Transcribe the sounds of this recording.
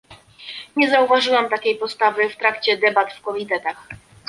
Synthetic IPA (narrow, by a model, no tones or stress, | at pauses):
ɲɛzauvaʐɘwamt̪akʲejpɔst̪avɘft̪ɾakt͡ɕɛd̪ɛbat̪fkɔmʲit̪ɛt̪ax